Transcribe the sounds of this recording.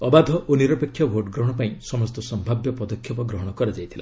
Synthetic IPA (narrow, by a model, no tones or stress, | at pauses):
ɔbad̪ʱɔʔoniɾɔpekʰːjɔbʱoɾʈɡɾɔɦɔɽ̃ɔpaĩsɔmɔst̪ɔsɔmbʱabjɔpɔd̪ɔkʰːjɔpɔɡɾɔɦɔɽ̃ɔkɔɾad͡ʒajt̪ʰila